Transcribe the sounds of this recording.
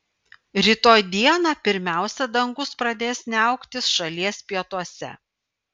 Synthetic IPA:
ɾʲit̪oːjd̪ʲiɛnɑːpʲɪɾʲmʲæˑʊsʲɛd̪ɐŋɡʊspɾɐd̪ʲeːsʲnʲɐʊkt̪ʲɪsʃɐlʲiɛsʲpʲiɛt̪uɔsʲɛ̰

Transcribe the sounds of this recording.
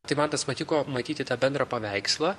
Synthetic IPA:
t̪ɐɪmɐnt̪ɐsmɐt̪ʲɪkoːmɐt̪ʲiːt̪ʲɪt̪ɑːbʲɛnd̪ɾɐpɐʋʲɛɪkslˠɐ

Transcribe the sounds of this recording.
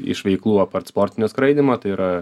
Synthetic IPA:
ɪ̰ʃʋʲɛɪklˠuːɐpɐrt̪spoːɾʲt̪ʲɪnʲoːskɾɐɪd̪ʲɪmɐt̪ɐɪiɾɐ

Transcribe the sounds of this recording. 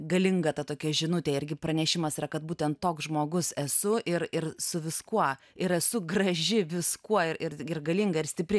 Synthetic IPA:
ɡɐlʲɪŋɡɐt̪ɐt̪oːkʲɛʒʲɪnʊt̪ʲeːɪɾʲɡʲɪpɾɐnʲɛʃʲɪmɐsiɾɐkɐt̪̚buːt̪ʲɛnt̪toːksʒmoːɡʊsɛsʊʔɪrɪrsʊʋʲɪskuɔ | ɪɾɛsʊɡɾɐʒʲɪʋʲɪskuɔɪɪɾɪrɡɐlʲɪŋɡɐɪɾsʲt̪ʲɪpʲɾʲɪ

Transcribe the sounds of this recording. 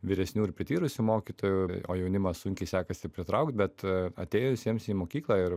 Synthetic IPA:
ʋʲiɪɾʲɛsʲnʲuːɪɾpʲɾʲɪt̪ʲiːɾʊsʲumoːkʲiːt̪oːjuo̰ːjɛʊnʲɪmɐssʊŋʲkʲɛɪsʲæːkɐsʲɪpʲɾʲɪt̪ɾɐʊkt̪̚bʲɛt̪ɐ̰t̪ʲeːjoʋʲɪsʲɛmsiːmoːkʲiːklˠɑɪɾ

